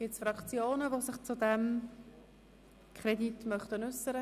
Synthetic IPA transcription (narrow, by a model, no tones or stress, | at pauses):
ɡ̥ɪtsfɾɑkt͡sjoːnəvosɪχt͡sudɛm | kʰχɾɛditmœχtənʉsːəɾə